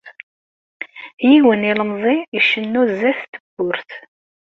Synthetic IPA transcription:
jiwəniləmzˤiiʃənːuzːæθt̪əbːʊɾθ

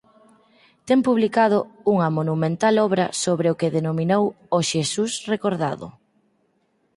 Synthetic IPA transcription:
t̪ɛmpuβlikað̞ʊuŋɐmonumẽnt̪alɔβɾɐsoβɾeʊkeðenominow | oʃesusrekoɾða̰ðʊ̰

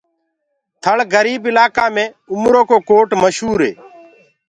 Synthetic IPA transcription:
t̪ʰəɭɡəɾiːbɪlaːkãːmẽː | ʊmɾoːkoːkoːʈməʃɦuːɾɦḛː

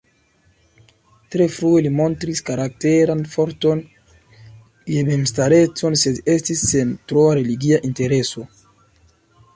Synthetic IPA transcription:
t̪ɾefɾuelimont̪ɾiskaɾak̚teɾanfoɾt̪on | jememst̪aɾet͡sonsedest̪isːent̪ɾoaɾeliɡiaʔint̪eɾeso

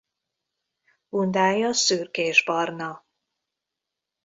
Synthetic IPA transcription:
b̥und̪aːjɒsyrkeːʒbɒrnɒ

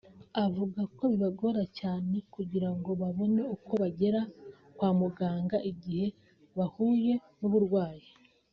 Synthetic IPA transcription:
avuɡako̞βiβaɡo̞ɾacaːne̞kuɟiɾaŋɡo̞βaβo̞ne̞uko̞βaɟe̞ɾa | kwaːmuɡaːŋɡaʔiɟihe̞ | βahuːje̞nuβuɾɡwaːji

